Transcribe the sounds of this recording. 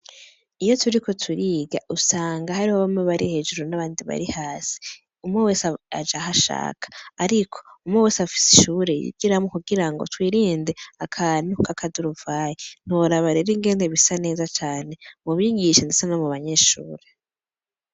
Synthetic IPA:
ijo̞tʰuɾiko̞tʰuɾiːɡa̰ʔusaːŋɡahaɾihoβamŋeβaɾihe̞d͡ʒuɾonaβaːndiβa̰ɾihaːsi̥ | umŋewe̞ːsad͡ʒaɦaʃa̰ːkʰḁːɾikʰo̞̥umŋewe̞ːsafi̥si̥ʃuːɾe̞jḭɡiɾamukuɡiɾaŋɡo̰twiːɾiːnde̞akʰanukʰakʰaduɾuvaːjen̥uoɾaβaɾeɾiŋɡe̞ːndeβisane̞ːzat͡ʃaːne̞muβiɡiʃendesanomuβaɲe̞ʃṵːɾe̞

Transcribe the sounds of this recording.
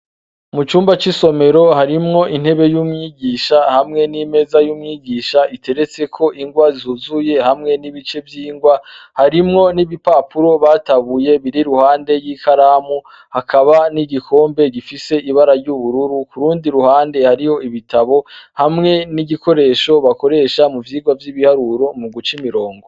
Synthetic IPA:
mut͡ʃuːmbat͡ʃisome̞ɾo̞haɾimŋo̞ʔin̥he̞βe̞jumŋiɡiːʃahamŋe̞nime̞zajuːmŋiɡiːʃaʔitʰe̞ɾe̞t͡se̞kʰo̞ʔiŋɡwazuzuje̞hamŋe̞niβit͡ʃe̞vjiːŋɡwahaɾimŋo̞niβipapuɾo̞βaːtaβuje̞βiɾiɾuhaːnde̞jikaɾaːmu | hakʰaβaniɟikʰo̞ːmbe̞ɡifise̞ʔiβaɾaɾɟuβuɾuɾukuɾuːndiɾuhaːnde̞haɾiho̞iβitaβo̞hamŋe̞niɟiko̞ɾe̞ːʃo̞βako̞ɾe̞ʃamuvjiːɡwavjiβihaɾuɾo̞muɡut͡ʃimiɾo̞ːŋɡo

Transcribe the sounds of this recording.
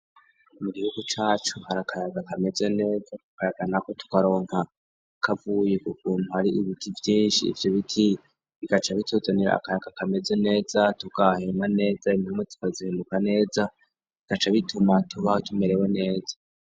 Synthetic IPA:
muɡihuɡut͡ʃaːt͡ʃuhaɾakʰajaɡakʰame̞ze̞ne̞ːzatukaɾaɡanako̞tu̥kaɾo̞ːŋha | kʰavuːje̞kukuːnhuhaɾiiβitʰivjiːnʃḭːvjo̞βitʰi | βiɡ̥at͡ʃaβitʰozaniɾa̰ːkajaɡ̥akame̞ze̞ne̞ːzatuɡ̥ahemane̞ːzainamwetu̥kazihendukane̞ːza | βiɡ̥at͡ʃaβitʰumatʰuβahotʰume̞ɾewe̞ne̞ːza

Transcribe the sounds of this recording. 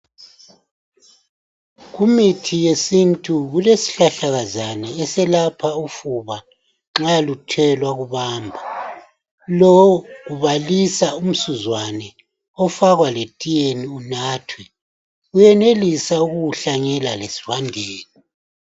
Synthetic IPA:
ɣumitʰijesintʼuɣulesi̥ɬaɬaɣazanɛːsɛlapʰaufuβa | ŋ͡ǁalutʰɛlwaɣuβaːmbʱa | lɔɣuβalisaum̩suzwanɛ | ɔfaɣwaletʼijeniunaːtʰwɛ | ujɛnelisauɣuɬaŋɛlalesi̥vandʱeːni

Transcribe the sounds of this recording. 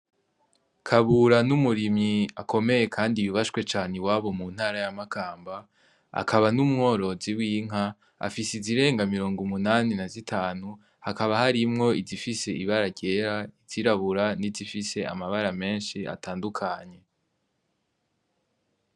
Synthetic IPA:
kʰaβuɾanumuɾimɲiakʰo̞me̞je̞kʰaːndiβuβaʃkwe̞t͡ʃaːnewaːβo̞mun̥haːɾajamakʰaːmba | a̰kʰaβanumŋo̞ɾo̞ziwiːŋ̥a | a̰fisiziɾe̞ːŋɡamiɾo̞ːŋɡumunaninazitʰaːnu | hakaβahaɾimŋo̞izifise̞ʔiβaɾaɟe̞ɾaiz̥iɾaβuɾanizifise̞a̰maβaɾame̞ːnʃiʔa̰taːndukʰaɲe̞

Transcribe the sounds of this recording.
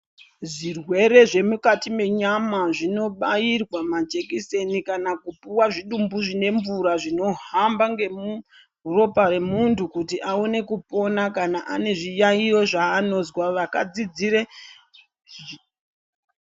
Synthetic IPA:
ʐirwe̞ɾe̞ʐe̞mukatime̞ɲamaʐino̞ɓajirwamad͡ʒe̞kise̞nikanakupuwaʐiɗumbuʐine̞ɱvuɾaʐino̞ɦambaŋɡe̞mu | ro̞pare̞muntʰukutiʔaone̞kupo̞nakanaʔane̞ʐijaijo̞ʐaːno̞zwaʋakad͡zid͡ziɾe

